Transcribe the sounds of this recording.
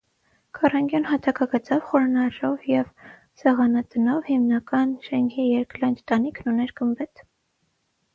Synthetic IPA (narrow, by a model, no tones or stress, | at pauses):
kʰɑrɑŋɡjɔnhɑt̪ʰɑkɑɡət͡sɑvχɔɾnɑɾɔvjɛv | sɛʁɑnɑt̪ənɔvhimnɑkɑnʃɛŋkʰijɛɾklɑjnd͡ʒt̪ɑnikʰnunɛɾɡəmbɛt̪